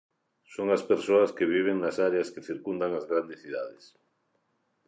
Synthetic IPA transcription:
soŋaspeɾsoaskeβ̞iβ̞eŋnasaɾeaskeθiɾkund̪aŋazɣɾand̪esθiðaðes

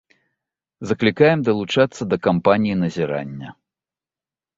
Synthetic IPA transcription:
zɐklʲikajɛmd̪ɐlˠut͡ʂat̪sːɐd̪ɐkampanʲijinɐzʲɛɾa̰nʲːɐ

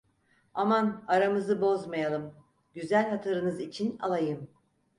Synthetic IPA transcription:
amanaɾamɯzɯbo̞zmajalˠɯm | ɟyzælʲhat̪ʰaɾɯnɯzit͡ʃʰina̰lˠajɯm

